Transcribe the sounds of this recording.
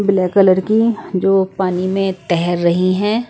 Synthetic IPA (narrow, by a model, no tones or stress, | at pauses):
bɪlɛːkələɾkid͡ʒoːpaːnimẽt̪ɛɦɛɾːɐɦiɦɛ̃ː